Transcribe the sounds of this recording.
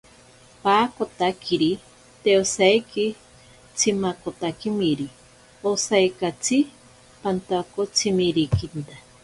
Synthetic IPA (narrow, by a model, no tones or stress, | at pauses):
paːkot̪akʰiɾi | t̪eosajki | t͡sʰimakot̪akimiɾi | osajkat͡sʰi | pant̪akot͡sʰimiɾikint̪a